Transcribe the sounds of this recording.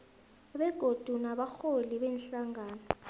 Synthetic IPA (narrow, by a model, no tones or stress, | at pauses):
ɓɛɡ̥ʱod̥ʱunaɓaxoliɓɛnɬaŋaːnɔ